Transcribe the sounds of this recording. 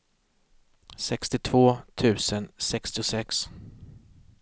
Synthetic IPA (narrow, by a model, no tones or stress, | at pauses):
sɛkst̪ɪt̪ʰv̥oːt̪ʰʉ̟ːsənsɛkst̪ɪʊsɛks